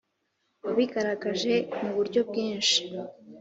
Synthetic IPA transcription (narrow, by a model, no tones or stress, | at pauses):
βaβiɡaɾaɡaʒe̞muβuɾɟo̞b̚ɡiːnʃi̥